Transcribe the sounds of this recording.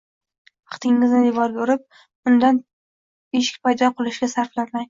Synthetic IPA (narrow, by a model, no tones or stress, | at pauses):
ɑqt̪ʰɪŋːɪznɪj̪ʊvɒɾboɾɪp̚ | ʊnd̪an | eʃɪ̥kʲpajd̪ɒqʰɨlˠɪʃɡʲasaɾflaɾmaj